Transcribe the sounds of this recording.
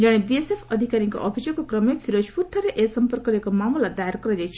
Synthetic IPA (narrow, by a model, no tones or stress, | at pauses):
d͡ʒʌɽ̃ebiesepʰʌd̪ʱikaɾiŋko̰ʔɔbʰʱisokokrʌmepʰiɾospuʈʰaɾeʔesʌmpɔrkɔɾekomamɔlad̪ajaɾkʌɾʌd͡ʒajt͡ʃʰi